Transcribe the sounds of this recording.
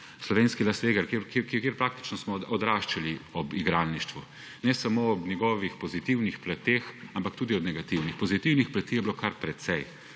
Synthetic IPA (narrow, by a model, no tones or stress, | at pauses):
slɔʋeːnskilast̪ʋeːɡəɾkekkkeːɾpɾaːk̚t̪i̥t͡ʃnɔsmɔɔd̪ɾaʃt͡ʃaliɔbiɡɾaːnniʃt̪ʋu | nɛsamoːɔbnʲjɛɡɔːʋixpɔzit̪iwnixplat̪exampak̚t̪uːd̪iɔbnɛɡat̪iwnixpɔzit̪iwnixplat̪iːjɛblokʰaɾpɾɛt̪sɛj